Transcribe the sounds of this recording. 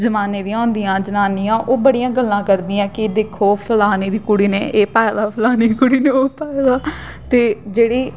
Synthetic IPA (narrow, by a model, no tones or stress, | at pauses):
zəmaːneːd̪ĩãːõːnd̪ijãːd͡ʒənaːniːãːʔoːbəɽijãːɡəlːãːkəɾd̪iːãːkɪd̪eːkʰoːpʰəlaːneːd̪iːkʊɽiːneːʔeːpaːeʋaːpʰəlaːneikʊɽiːneːoːpɛːeʋaː | t̪eːd͡ʒeːɽiː